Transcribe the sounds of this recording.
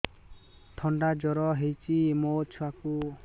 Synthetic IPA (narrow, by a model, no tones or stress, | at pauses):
t̪ʰɔɳɖad͡ʒɔɾɔɦejt͡ʃʰimot͡ʃʰuaku